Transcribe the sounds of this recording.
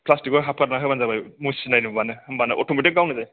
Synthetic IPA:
pʰlastikɔjɦap̚kʰaɾnaɦɔjbanzabajmusinajnubanɯmanɛʔɔtʰumitɛɡawnadaj

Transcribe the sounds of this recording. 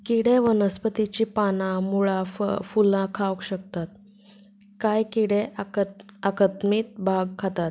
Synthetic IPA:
kiɽeʋənəspət̪it͡ɕiːpanãmuɭafə̰fulãkʰawkɕək̚t̪at̪̚ | kajkiɽe | akət̪miːt̪̚bʱaɡkʰat̪at̪

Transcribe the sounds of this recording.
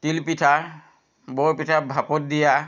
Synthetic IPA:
t̪ilpitʰa | bɔpitʰabʱapɔt̚d̪ija

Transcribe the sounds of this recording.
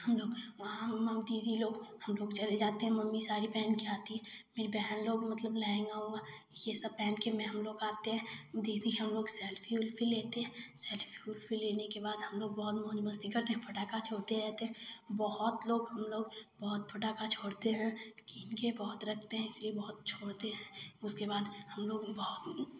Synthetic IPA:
hɐmloːɡʋɐɦãmɐmd̪iːd̪ʱiloːɡhɐmloːɡt͡ʃɐled͡ʒaːt̪eɦɛ̃mɐmːisaːɾipɛːnkiaːt̪iɦɛ̃meɾbɛɦnloːɡmɐt̪ləblɛẽɡaɦoːɡaːjesɐb̚pɛːnkemɛ̃ɦɐmloːɡaːt̪eɦɛ̃ːd̪id̪iɦɐmloːɡsɛːlfʰiʊlpʰileːt̪eɦɛ̃ːsɛːlfʰiʊlpʰileːnekebaːd̪ɦɐmloːɡ̚bɔɦʊt̪mɔːd͡ʒməst̪ikɐɾt̪eɦɛ̃pʰɐʈaːkat͡ʃʰoːɽt̪eɾɛɦt̪eɦɛ̃bɔɦʊt̪loːɡɦɐmloːɡbɔɦʊt̪̚fʰɐʈaːkat͡ʃʰoːɽt̪eɦɛ̃kinkebɔɦʊt̪ɾɐk̚ʰt̪eɦɛ̃ɪsliebɔɦʊt̪̚t͡ʃʰoːɽt̪eɦɛ̃ʊskebaːd̪hɐmloːɡbɐɦʊt̪

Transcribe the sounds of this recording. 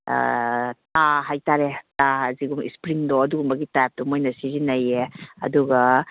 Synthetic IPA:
ttaɦajtaɾetaɦaziɡumḭspɾiŋdoɐduɡumbɐɡitajap̚tumojnɐsiɾinɐjeɐ̰duɡɐ

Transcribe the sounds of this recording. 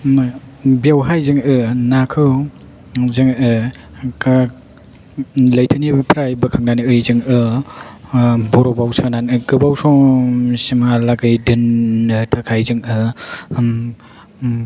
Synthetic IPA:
biawɦajzɯŋɯnakʰɯw | zɯŋɯ | ka | lɐjtʰanibpʰɾajbɯkʰaŋ̚naniɯjzɯŋɯ | bɔɾɔbawsananɯkɯbawsɔsimalaɡɯjdɯnːɯtʰakʰajzɯŋɯ

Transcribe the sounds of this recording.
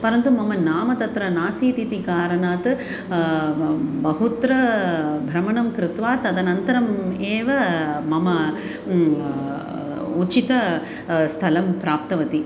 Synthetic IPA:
pɐɾɐnt̪umɐmɐnaːmɐt̪ɐt̪ɾɐnaːsiːt̪it̪ikaːɾɐɳaːt̪ | bɐɦut̪ɾɐbʱɾɐmɐɳɐmkɾɪt̪ʋaːt̪ɐd̪ɐnɐnt̪ɐɾɐmeːʋɐmɐmɐ | ut͡ʃit̪ɐ | st̪ʰɐlɐmpɾaːp̚t̪ɐʋɐt̪i

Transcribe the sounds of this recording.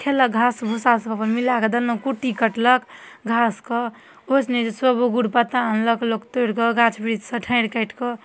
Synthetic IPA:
kʰeləɡʱasbʱusasəbapəmilaked̪ənəkuʈikəʈləkɡʱaskɔ | osned͡ʒsəbuɡuɽpət̪aːnləklokt̪oɽkɔɡʱat͡ʃʰbɾid͡ʒsəʈʰə̃ɪ̃ɽkəɪʈkɔ

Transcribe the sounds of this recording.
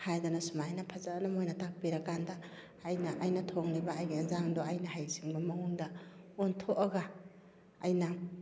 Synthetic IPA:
hajdanɐsumajnɐpʰazaːnamojnɐtak̚piɾɐkandɐː | jnaʔajnɐtʰoŋnibaajɡinazaŋdoajnɐhajsiŋbɐmɐŋuŋdɐontʰoʔɐɡaː | jnɐ

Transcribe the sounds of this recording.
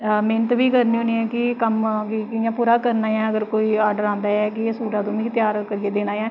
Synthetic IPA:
meːnət̪ʋiːkəɾniːɦoniːɛːkɪkəmkɪkɪjãːpuːɾaːkəɾnaːjãːəɡəɾkoːiːaːɾɖəɾãːnd̪aːɛːkɪsuːʈãːt̪õːnĩːt̪ɪjaːɾkəɾiːeːd̪eːnaːjãː

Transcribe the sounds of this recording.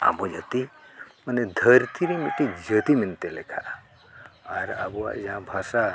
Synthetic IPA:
a̰bod͡ʒət̪iməned̪ʱəɾt̪ʰiɾimit̪id͡ʒət̪imint̪elekʰa | aɾa̰boa̰d͡ʒãbʱasa

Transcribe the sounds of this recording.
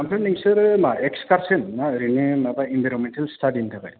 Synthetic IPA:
ampʰeniŋsɯɾɯmaekskaɾsenmaɾinemabainbʱajɾɔnmentalstadintʰaka̰j

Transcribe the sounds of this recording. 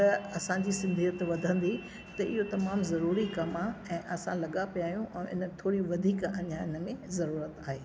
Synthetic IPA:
t̪ɐɐsãd͡ʑisɪ̃nd̪ʱiət̪ʋɐd̪ʱə̃nd̪i | t̪ɐɪɦot̪ɐmaːmzɐɾuːɾikɐmaɛ̃ːʔɐsãlɐɠapijaːɦijũʔɛ̃ːʔɪ̰nət̪ʰoːɾiʋɐd̪ʱiːkɐ̰ɲaːnə̆mẽzɐɾuːɾət̪aːɦeː

